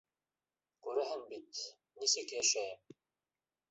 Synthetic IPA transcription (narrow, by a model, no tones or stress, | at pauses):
kʉɾæɦɘnbit̪ | nisɘkʃæ